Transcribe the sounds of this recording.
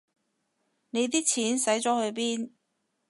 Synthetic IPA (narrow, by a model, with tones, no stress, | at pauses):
ne˨˧jt̪̬iː˥t͡sʰiː˨˥nsɐ˨˥jt͡ʃɔː˨˥hɵ˨˧ɥp̬iː˥n